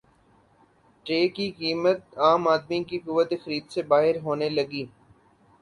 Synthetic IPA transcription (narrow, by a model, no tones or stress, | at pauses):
ʈeːkikiːmət̪̚aːmaːd̪mikikʊʋət̪exəɾiːd̪sebaːɦɪɾɦoːneləɡiː